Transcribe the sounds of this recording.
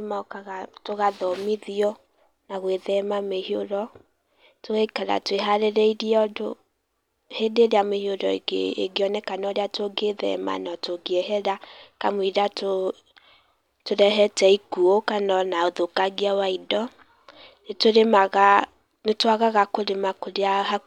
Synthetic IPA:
makaɣatoɣaðɔmiðiɔ | naɣweðɛmamehioɾɔ | toɣɛikaɾa̰tweɦaɾeɾɛiɾiɔdo | hedeɾeamehioɾɔɡḛɡeɔnɛkanɔɾeatoɡeðɛ̰ma̰nɔtoɡeɛɦɛɾakamwiɾato | toɾɛɦɛtɛikuokanɔnaoðokaɣiawaidɔ | netoɾemaɣa | netwaɣaɣakoɾemakoɾeaha

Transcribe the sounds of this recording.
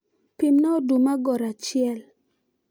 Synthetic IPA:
pimnɔodumaɡɔɾat͡ʃɪɛl

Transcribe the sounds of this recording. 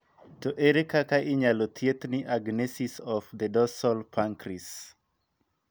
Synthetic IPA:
toʔeɾikakaʔɪɲalot̪ʰjet̪nɪʔaɡnesisɔfd̪ədɔsɔlpʰaŋkɾis

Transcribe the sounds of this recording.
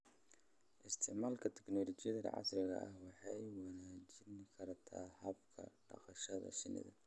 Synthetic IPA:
ʔɪst̪ʰɪʕmaːlkʰɐt̪ʰɛ̥knɔːlɔt͡ʃɪjɐðɐ̰ʕɑ̰srɪɣɐ̰ʔɐhwɑħɑjwɑnaːt͡ʃɪŋkʰɐrt̪ʰa̰ːhɐbkʰɐ̰ɖ̥ɐ̰qɐʃɐðɐ̰ʃɪnɪ̰ðɐ̰

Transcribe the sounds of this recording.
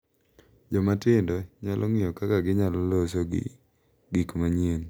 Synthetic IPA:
d͡ʒɔmatɪndɔɲalʔɔŋɪjɔkakaɡɪɲalɔloso | ɡikmaɲen

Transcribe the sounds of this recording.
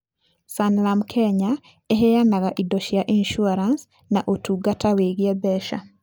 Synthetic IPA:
sanlamkʰɛɲa | eɦɛjanaɣaʔidɔʃjaʔinʃuaɾans | naʔotuɡataweɣiɛbɛʃa̰

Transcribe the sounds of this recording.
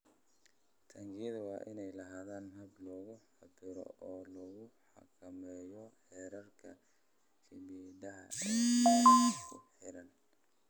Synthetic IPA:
t̪ʰɐŋɡɪjɐðʊwɑːʔɪnɛjlɐɦaːðaːnɦɐblɔːɣʊħɑbɪɾɔ̰ʔɔːlɔɣʊħɑ̰kʰɐmɛːjɔħɛːɾɐrkʰɐ | kʰɐbiɛdɐɦɐ̰ | kʰʊħɪɾɐn

